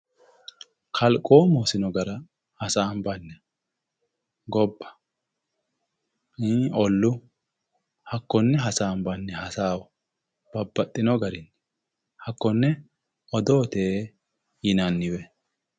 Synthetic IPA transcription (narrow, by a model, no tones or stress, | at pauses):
kʰɐlkʼoːmoːsɪnɔɡɐɾɐ | hɐsaːmbɐnːɛ | ɡɔbːɐ̥ | iɔlːʊ | hɐkːɔnːɛɦɐsaːmbɐnːɛhɐsaːwɔ | b̥ɐbːɐt̪ʼːɪnɔɡɐɾɪnːɛ | hɐkːɔnːɛ | ɔd̪oːt̪eː | jɪnɐnːɪwɛ